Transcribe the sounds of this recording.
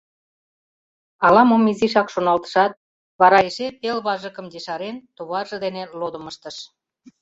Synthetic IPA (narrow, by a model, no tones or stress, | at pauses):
ɑlɑmomiziʃɑkʃonɑlt̪ə̥ʃɑt̪̚ | βɑɾɑeʃepelβɑʒə̆kə̆md̪eʃɑɾent̪uβɑrʒə̆d̪enelod̪ə̆məʃt̪əʃ